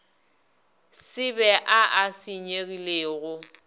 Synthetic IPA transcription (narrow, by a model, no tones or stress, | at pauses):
sɪbɛʔaʔasiɲeɣileːɣʊ